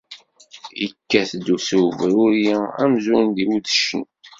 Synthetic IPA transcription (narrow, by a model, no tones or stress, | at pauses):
ikːæθd̪uθuvɾʊɾjææ̰mzuɾnd̪iwuðəʃən